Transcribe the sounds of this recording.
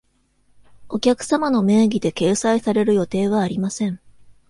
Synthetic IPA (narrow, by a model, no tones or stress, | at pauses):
o̞kʲakɯ̟̥samano̞me̞ːɡʲid̪e̞ke̞ːsaisaɾe̞ɾɯ̟jo̞t̪e̞ːβ̞aːɾʲimasẽ̞ɴ